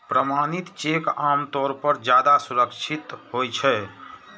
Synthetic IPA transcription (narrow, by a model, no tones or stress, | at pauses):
pɾəmanit̪t͡ʃekamt̪ɔːɾpəɾd͡ʒjad̪asuɾəkt͡ʃʰit̪ɦojt͡ʃʰɛ